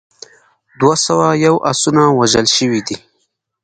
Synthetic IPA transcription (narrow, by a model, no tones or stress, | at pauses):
d̪wasawajawʔasunawaʒəlʃəwid̪i